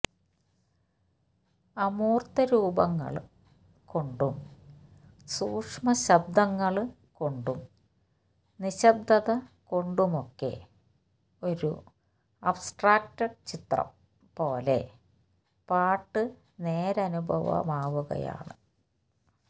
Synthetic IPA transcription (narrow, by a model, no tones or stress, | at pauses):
ɐmuːrt̪ɐɾuːbɐŋːɐ̰ɭ | ko̞ɳɖum | suːkʂmɐɕɐb̚d̪ɐŋːɐɭ | ko̞ɳɖum | niɕɐb̚d̪ɐðɐko̞ɳɖumo̞kːe̞̰ | o̞ɾṵ | ɐbsʈraːk̚tɐɖt͡ɕit̪rɐ̰m | po̞ːle̞̰ | paːʈːɨ | ne̞ːɾɐɐnubʱɐ̰ʋɐ̰maːʋuɣɐ̰ja̰ːɳɨ